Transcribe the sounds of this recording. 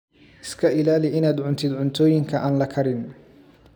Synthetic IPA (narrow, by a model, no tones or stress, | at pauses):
ʔɪskʰɐʔɪlaːlɪʔɪnaːd̪ʕʊnt̪ʰɪd̪ʕʊnt̪ʰɔːjɪŋkʰɐʔaːnlɐkʰɐɾɪn